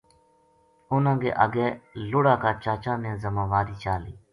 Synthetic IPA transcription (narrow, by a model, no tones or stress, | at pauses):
ʊnãːɡḛːʔə̰ɡeːlʊːɽaːkaːt͡ʃaːt͡ʃãːnẽːzəmãːʋaːɾiːt͡ʃaːlḭː